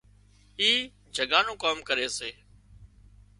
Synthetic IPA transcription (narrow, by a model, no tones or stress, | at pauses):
iː | d͡ʒʱəɡaːnũːkaːmkəɾeːseː